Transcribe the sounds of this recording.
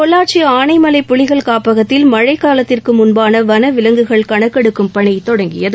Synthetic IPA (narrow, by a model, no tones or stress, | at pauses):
kɔɭːaːʈ̚t͡ʃiaːnɐɪmɐlɐɪpːʊɭɪɣɐɭkaːpɐɣɐt̪ːɪlmɐɻɐɪkːaːlɐt̪ːɪrkɯmʊnbaːnɐʋɐnɐʋɪlɐŋɡɯɣɐɭkɐɳɐkːɛɽɯkːɯmpɐɳɐɪt̪ɔɽɐŋɡɪjɐðɯ